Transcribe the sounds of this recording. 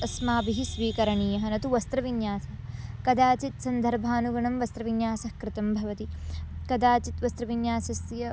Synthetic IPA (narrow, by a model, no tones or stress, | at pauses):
ɐsmaːbiɦisʋiːkɐɾɐɳiːjɐɦɐnɐt̪uʋɐst̪ɾɐʋinjaːsɐkɐd̪aːt͡ʃit̪sɐnd̪ʱɐɾbʱaːnuɡɐɳɐmʋɐst̪ɾɐʋinjaːsɐhkɾɪt̪ɐmbʱɐʋɐt̪ikɐd̪aːt͡ʃit̪ʋɐst̪ɾɐʋinjaːsɐsjɐ